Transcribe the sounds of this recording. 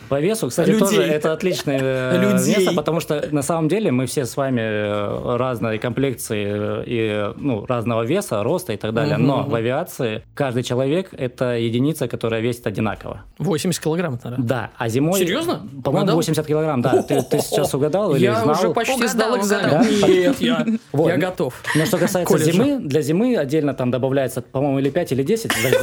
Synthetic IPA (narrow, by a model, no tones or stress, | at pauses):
pɐvʲe̞sʊksatʲɪt̪o̞ʐɨɛt̪əɐt̪lʲit͡ɕnəjəlʲʊmʲest̪əpət̪ɐmuʂt̪onɐsaməmdʲelʲɪmɨfsʲesvamʲɪ | raznɨjəkɐmplʲek̚t̪sɨɪinuraznəvəvʲe̞səɾo̞st̪əɪt̪ɐɡd̪alʲɪjəno̞lˠəvʲɪat̪sɨɪkaʐd̪ɨjt͡ɕɪlˠɐvʲe̞kɛt̪əjɪdʲɪnʲit̪səkɐt̪o̞ɾəjəvʲesʲɪt̪ɐdʲɪna̰kə̰və̰ | vosʲɪmʲɪsʲt̪kʲɪlˠɐɡɾamt̪d̪a̰ɐ̰zʲɪmo̞sjɪɾʲjoznəpɐmo̞jɪmʊvosʲmʲɪsʲat̪kʲɪlˠɐɡɾamd̪at̪ɨt̪ɨsʲɪ̥t͡ɕːasʊɡɐd̪alˠijlɪɪaznalʐɛɐɡəsd̪alˠɪɡzamʲd̪ajavojaɡɐt̪ofnoʂt̪okɐsajɪtksəzʲɪmɨd̪lʲɐzʲɪmɨɐdʲːelʲnət̪amd̪əbɐvlʲæjɪt̪səpɐmo̞jɪmʊilʲɪpʲætʲilʲɪdʲesʲɪtʲzɐ